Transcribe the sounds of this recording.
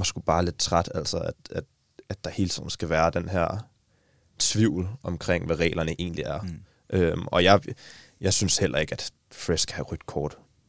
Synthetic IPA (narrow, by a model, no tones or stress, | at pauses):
mɑsɡ̥ub̥ɑ̈ːle̝d̥̚t͡sʰʁad̥æl̰sɒæd̥æd̥ | æd̥ːɑhe̝ːlt͡sʰḭð̰ˠn̩sɡ̥æʋæːɐd̥enɦeɐ̰ | t͡sʰʋiʊ̰l̩ɒ̽mkʰʁeŋ̰ʋæʁɛ̰ːlɐnəʔe̝ːnliæɐ | ʔømɒ̽jɑ̈ɪjɑ̈ɪsynshel̰ʔɐe̝ɡ̥æd̥ | fʁesɡ̥ʰæhæʁyd̥kʰɒːd̥